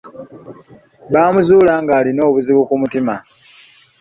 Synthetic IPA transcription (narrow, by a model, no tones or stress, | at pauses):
βaːmuzuːlaːŋɡaːlino̞ːβuziβukumutima